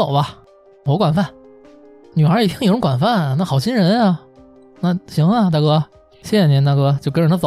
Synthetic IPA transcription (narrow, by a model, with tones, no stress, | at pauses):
o˨˩ʊbɐ˧ | wɔ˧˥kwa˨˩nfa˥˩n | ny˨˩xə˞˧˥i˨˩t̪ʰi˥ŋjʈ͡ʂʊ˧˥kwa˨˩nfa˥˩n˩na˥˩xɑ˨˩ʊt͡ɕʰi˥nɻə˧˥na˥˧ | na˥˩ɕi˧˥ŋɐ˧t̪̬a˥˧˩kɤ˥˧ | ɕjɛ˥˩˨ni˧˥t̪a˥˩kɤ˥˧t͡ɕjo˧ʊkɻna˧t͡so˨